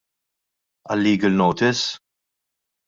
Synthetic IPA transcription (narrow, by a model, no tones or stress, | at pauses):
ɐlːiːɡəlnɔwt̪ɪs